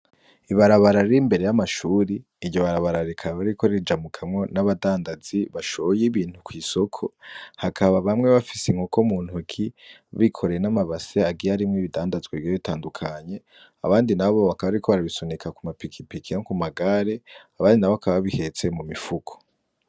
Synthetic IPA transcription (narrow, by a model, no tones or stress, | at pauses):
iβaɾaβaɾaɾimbe̞ɾejamaʃuːɾiː | ɾɟoβaɾaβaɾaɾikʰaβaɾiko̞ɾid͡ʒamukʰamŋo̞naβadaːndaziβaʃojiβiːn̥hukwiːso̞kʰo̞hakʰaβaβamŋeβafi̥seŋ̥hukomuːn̥uukʰiβikʰo̞ɾe̞jenamaβaseaɡiaɾimŋiβidaːndazɡwevjoβitaːndukʰaɲe̞ | a̰βaːndinaβo̞βakaβaaɾikʰo̞βaɾaβisonekʰakumapikʰipikʰiokumaɡaɾe̞aβaːndinaβoβakʰaβaββihe̞t͡se̞mumifukʰo̥